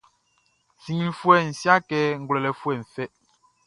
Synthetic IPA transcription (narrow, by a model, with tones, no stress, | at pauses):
si˨ŋi˨l̩˨fwɛ˦˨n̩˨sja˦kɛ˦ŋ̩˨ɡwlɛ˨lɛ˨fwɛ˦˨ɱ̩˨fɛ˦